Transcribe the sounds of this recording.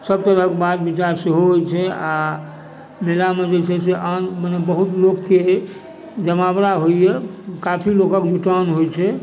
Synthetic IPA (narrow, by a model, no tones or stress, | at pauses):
səb̚t̪əɾəkebad̪bit͡ʃaɾsiɦoɦt͡ʃʰɛa | melamed͡ʒet͡ʃʰɛseʔanmənebəɦut̪lokːe | d͡ʒəmabɾaɦoijɛkapʰilokəkd͡ʒuʈanɦojt͡ʃʰɛ